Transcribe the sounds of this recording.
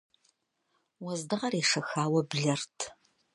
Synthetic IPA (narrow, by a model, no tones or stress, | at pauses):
wɔzdɨʁɐreːʂɐxaːwɐbɮɐrtʰ